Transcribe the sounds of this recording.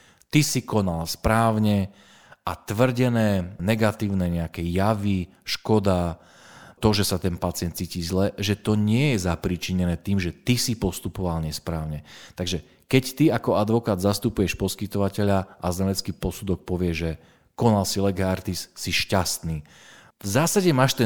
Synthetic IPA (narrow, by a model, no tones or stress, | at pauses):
t̪isikɔnalspɾaːʊɲɛ | ʔat̪ʋr̩ɟɛnɛːnɛɡat̪iːʊnɛɲɛakɛjaʋi | ʃkɔd̪a | t̪ɔʒɛsat̪ɛnpat͡sɪɛnt̪t͡ssiːciːzlɛʒɛt̪ɔɲɪɛjɛzapɾit͡ʃiɲɛnɛːt̪iːmʒɛt̪isipɔst̪upɔʋalɲɛspɾaːʊɲɛt̪aɡʒɛ | kɛct̪iakɔad̪ʋɔkaːd̪zast̪upujɛʃpɔskit̪ɔʋacɛʎaʔazɲalɛt͡skiːpɔsud̪ɔk̚pɔʋɪɛʒʒɛ | kɔnalsilɛɡɛaɾt̪isːiʃcast̪niː | vzaːsaɟɛmaːʃt̪ɛ